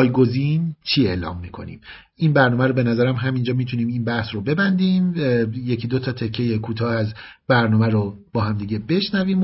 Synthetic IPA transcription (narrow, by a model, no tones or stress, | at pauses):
jɡo̞zint͡ʃʰiːe̞ːlɒ̰ːmːiːkʰo̞̰nḭːm | inbæɾnɔːmæɾobe̞næzæɾæmɦæmind͡ʒɒːmit̪ʰuniːminbæhsɾobe̞bænd̪iːmjecʰid̪ot̪ʰɒːt̪ʰe̞cʰːe̞jekʰuːt̪ʰɒːæzbæɾnɒːmæɾob̥ɒːɦæmd̪iːɟe̞be̞ʃnæviːm